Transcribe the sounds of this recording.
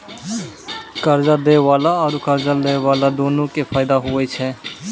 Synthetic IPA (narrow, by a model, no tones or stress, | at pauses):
kəɾd͡ʒad̪eːʋaːlaɔːɾkəɾd͡ʒaleːʋaːlad̪oːnõkepʰaːɪd̪aɦʊet͡ʃʰɛː